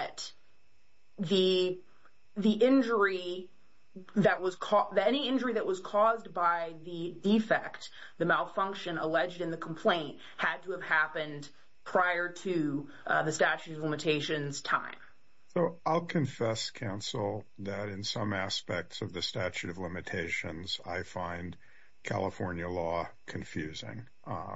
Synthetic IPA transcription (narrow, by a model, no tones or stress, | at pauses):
t̪̚ | ðɨ | ðiʔɪ̃nd͡ʒə˞i | ðɨʔ̚wʌz̥kʰɔðɨɾɛniɪ̃nd͡ʒə˞iðɨʔ̚wʌz̥kʰɔzbaɪðɨdifɛkt̪̚ | ðɨmalˠfʌ̃ŋkʃɨ̃nəlɛd͡ʒdɨ̃nðɨkʰm̩pʰl̥ẽɪ̃nt̚ | hɨd̚tʰəːv̥hæpɨ̃n | pʰɹ̥aɪə˞ɾɨ | ðɨstæt͡ʃʉɾʌvlɪ̃mɨtʰeɪʃɨ̃nz̥tʰã̰ɪ̃m | soʊaɪlˠkʰɨ̃ɱfɛskʰãʊ̃nsl̩ˠðɨɾɨ̃nsʌ̃mæspɛk̚tsʌvðɨstæt͡ʃʉɾʌvlɪ̃mɨtʰeɪʃɨ̃nza̰ɪfãɪ̃n | kʰæ̰lˠəfɔɹnjɨlɔkʰɨ̃ɱfjʉzɪ̰̃ŋ